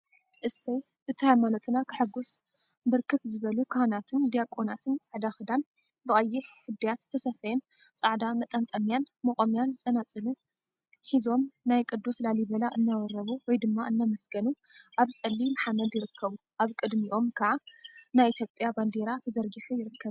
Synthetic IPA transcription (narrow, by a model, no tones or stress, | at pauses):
ʔɨsɐj | bɨt̪ʰajmalot̪ʰɨnakʰɨħɨɡus | bɨɾkʰɨt̪zɨβɐlukʰanat̪ʰɨnd̪ijakʼonat̪ʰɨnt͡sʼaʕd̪axɨd̪an | bɨχʼɐjːɪħhɨd̪ːijat̪t̪ʰɐsɐfɐjɛn | t͡sʼaʕd̪amɐt̪ʼɐmt̪ʼɐmjan | mɐχʼomjant͡sʼɐnat͡sʼɨlɨn | ħizo̞mnajkʼɨd̪ːuslalibɐlaʔɨnːawɐɾɐβuwɔjd̪ɨmːaʔɨnːamɐsɡɐnuʔaβt͡sʼɐlːimaħamːɐd̪jɪɾɨkʰːɐβu | ʔaβkʼɨd̪miʔo̞mkʰɐʕanajit̪ʰjopʼjaband̪eɾat̪ʰɐzɐɾɡiħujɪɾɨkʰːɐβ